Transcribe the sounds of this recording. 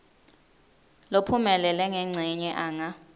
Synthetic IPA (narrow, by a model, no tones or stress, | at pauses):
lopʰumɛlɛlɛŋɛŋ͡ǀʱiɲɛʔaːŋa